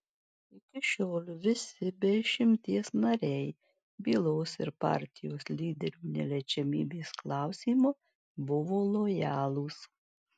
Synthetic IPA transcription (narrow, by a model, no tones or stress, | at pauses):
ɪkʲɪʃʲoːlʲʋʲɪsʲɪbʲɛʃʲɪmʲt̪ʲiɛsnɐɾʲɛɪ | bʲiːlˠoːsɪɾpɑ̰ˑɾʲt̪ʲɪjoːslʲiːd̪ʲɛɾʲuːnʲɛ̰lʲɛt͡ʃʲɛmʲḭːbʲeːsklˠɑˑʊsʲiːmɐ | bʊʋoːlˠojæːlˠuːs